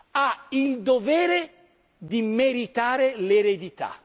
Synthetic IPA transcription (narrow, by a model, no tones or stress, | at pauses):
aild̪ovɛːɾe | d̪imeɾit̪aːɾeleɾed̪it̪a̰